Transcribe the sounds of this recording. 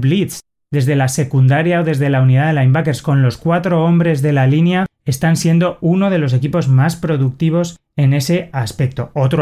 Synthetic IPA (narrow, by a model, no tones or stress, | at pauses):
βlit̪s | d̪e̞zðe̞lase̞kund̪aɾjao̞ðe̞zðe̞launiðaðelajmbake̞ɾskõ̞nlo̞skwat̪ɾo̞o̞mbɾe̞zðe̞lalinjae̞st̪ansje̞nd̪o̞uno̞ð̞e̞lo̞s̬e̞kipo̞zmaspɾo̞ðuk̚t̪iβ̞o̞s | e̞ne̞se̞aspe̞k̚t̪o̞o̞t̪ɾo